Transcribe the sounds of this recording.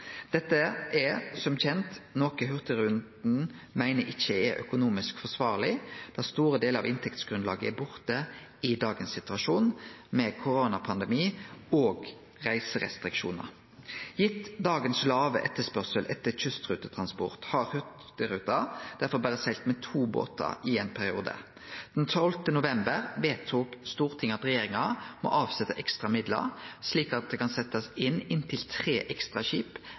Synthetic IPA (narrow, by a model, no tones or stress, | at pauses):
d̪̥ɛt̪ːəʔɛsɔmc͡çɛnt̪noːkəɦʉʁt̪əɾʉnd̪n̩mæɪnəʔɪçːəɛɾʔœ̰kʊnuːmɪskfɔsʋɑːʁlɪd̪̥ɛʁst̪uːɾəd̪eːləɾɑ̰ʋɪnt̪ʰɛkt̪sɡ̥ɾʉnlɑ̰ːɡəæbʊʁt̪ə | ɪd̪ɑːɡənsɪt̪ʉɑʃuːnmɛkʰʊɾoːnɑpʰɑnd̪ɛmiːoːɡ | ʁæɪsəʁɛ̰st̪ʁɪkʃṵːnə̰ʁ | jɪt̪ːd̪ɑːɡənslɑːʋə̰ʔɛt̪ːəspœʁsəlʔɛt̪ːəçʉst̪ʁʉːt̪ət̪ʰʁɑnspɔ̰ʁt̪hɑʁhœt̪əɾʉːt̪ɑd̪̥æʁfɔbæːʁəsɛlt̪mɛt̪ʰuːbo̰ːt̪ɑ̰ɪeːnpʰæʁɪuːd̪ə̰ | d̪̥ɛnt̪ʰɔlt̪ənʊʋɛmbəʁʋeːt̪ʰːuːkst̪uːʁt̪ʰɪŋɑt̪ʁɛjeːʁɪŋɑmɔ̰ʔɑːʋsɛt̪ːəʔɛkst̪ʁɑmɪd̪lə̰ʁsliːkɑt̪̚d̪ɛkɑnsɛt̪ːɑsɪnɪnt̪ʰɪlt̪ʰʁeːʔɛkst̪ʁɑɕiːp